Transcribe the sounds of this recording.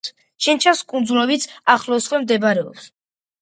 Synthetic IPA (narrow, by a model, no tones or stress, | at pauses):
t͡ʃʰɛnt͡ʃʰaskʼund̪zulɔbit̪sʰaχlɔsχwɛmd̪ɛbɾɛɔ̰ps